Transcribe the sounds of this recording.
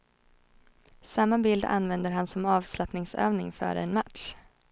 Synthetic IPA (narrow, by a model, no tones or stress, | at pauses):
samːabɪld̪a̰nvɛnd̪əɾɦansɔmɑːvslapnɪŋsø̰ːvnɪŋfœ̰ːɾ̰ɛnmaʈʂ